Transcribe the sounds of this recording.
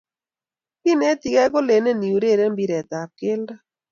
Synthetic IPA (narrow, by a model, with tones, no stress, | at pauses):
pi˦nɛ˦t̪i˨kɛ˦ɡo˦le˨ne˦ni˨u˨ɾe˦˨ɾe˦mbi˦ɾɛ˨t̪a˨kɪ˦lda˦